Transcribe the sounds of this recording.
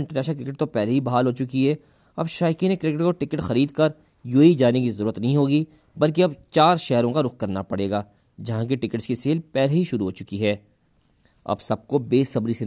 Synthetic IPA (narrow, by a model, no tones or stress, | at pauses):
ɪ̃ɳʈəɾnɛːʃəlkɾɪkɪʈ̚t̪opɛːleɦibɐɦaːlɦoːt͡ʃʊkiɦɛː | ɐbʃaːjkinekɾɪkɪʈkoʈɪkɪʈxɐɾiːd̪kɐɾ | juːid͡ʒaːnekizɐɾuːɾət̪nɐɦĩɦoːɡi | bɐlk̬eɐbt͡ʃaːɾʃɛɦɾõkaɾʊq̚kɐɾnapɐɽeːɡaː | d͡ʒɐɦãk̬eʈɪkɪʈskiseːlpɛːleɦiʃʊɾuɦoːt͡ʃʊkiɦɛː | ɐ̰bsɐb̚kobeːsɐbɾise